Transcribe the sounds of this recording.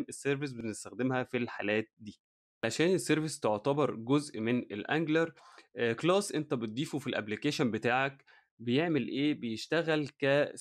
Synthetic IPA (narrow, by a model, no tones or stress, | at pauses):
nʔesːeɾves̬benest̪æxd̪emhæfilħa̰læːt̪̚d̪iː | aaʃæːnesːeɾvest̪oʕt̪æbɑɾˤɡozʔmenelʔæ̰ŋɡlɑɾˤklɑːsʔent̪æbet̪̚d̪ˤiːfufilʔæ̰blikeːʃonbet̪aːʕæk | bejeʕmelʔeːbejeʃt̪æɣælkæ